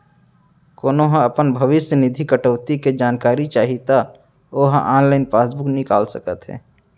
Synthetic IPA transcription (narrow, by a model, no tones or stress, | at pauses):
koːnoɦãəpənbʱəʋɪsjənɪd̪ʱikəʈəːt̪iked͡ʒaːnkaːɾit͡ʃaːɦit̪a | oːɦãʔãːnlaːɪnpaːsbuknɪkaːlsəkə̰t̪ɦɛ̰ː